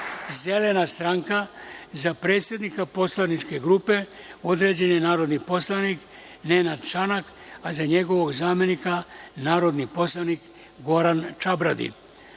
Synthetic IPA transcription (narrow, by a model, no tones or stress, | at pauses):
zele̞nast̪ɾaŋkazapɾe̞ːt̪sje̞d̪nikapo̞slˠanit͡ʃkeɡɾuːpe̞ | o̞d̪ɾe̞d͡ʑe̞nenaːɾod̪niposlˠanik | nenad̪t͡ʃanak | azaɲe̞ɡo̞ʋo̞ɡzaːme̞nikanaːɾo̞d̪nipo̞slˠanik | ɡo̞ɾant͡ʃabɾad̪ḭn